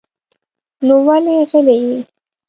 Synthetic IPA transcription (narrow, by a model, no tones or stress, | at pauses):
nowaleɣəleji